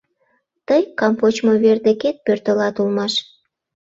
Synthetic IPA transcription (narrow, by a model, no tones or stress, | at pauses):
t̪əjkɑmpot͡ɕmoβerd̪eket̪̚pørt̪əlɑt̪ulmɑʃ